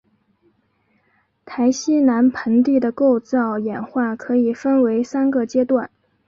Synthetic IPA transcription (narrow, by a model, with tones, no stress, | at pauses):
t̪ʰa˧˥ɪɕi˥na˧˥npʰə˧˥nt̪i˥˩d̪ə˩ko˥˧ʊt͡sɑ˥˩ʊjɛ˨˩nxwa˥˩kʰɤ˧˥i˨˩fə˥nwe˧˥ɪsa˥nɡə˧t͡ɕjɛ˥t̪wa˥˩n